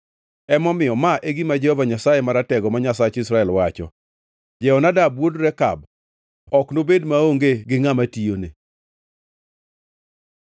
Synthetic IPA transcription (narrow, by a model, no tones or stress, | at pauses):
ɛmɔmɪjɔmaʔeɡimad͡ʒɛhɔvaɲasajemaɾatɛɡɔmaɲasat͡ʃɪsɾaɛlwat͡ʃɔ̰ | d͡ʒɛɔnadabwodɾɛka̰b | ɔknobedmaoŋɡeɡɪŋamatijonḛ